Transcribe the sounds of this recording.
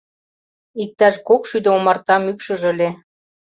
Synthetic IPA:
ik̚t̪ɑʃkokʃyd̪əomɑrt̪ɑmykʃə̆ʒəlʲe

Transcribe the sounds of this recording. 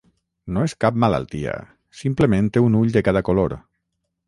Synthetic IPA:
noeskap̚mala̰lˠt̪ia̰ | simpləmẽnt̪eunuʎd̪əkaðəkoloɾ

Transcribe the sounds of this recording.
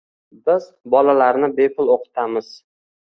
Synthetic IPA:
bɪz | bɒlalaɾnɪbe̞pʰʊlˠoqʰɨ̥t̪ʰamɪz̥

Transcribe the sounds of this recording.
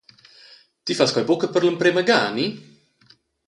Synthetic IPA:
t̪ifaskɔjbokəpəɾləmpɾeməɡaːni

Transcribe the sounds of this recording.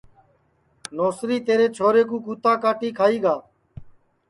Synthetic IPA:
noːsɾiːt̪eːɾeːt͡ʃʰoːɾeːkũːkuːt̪aːkaːʈiːkʰaːiːɡaː

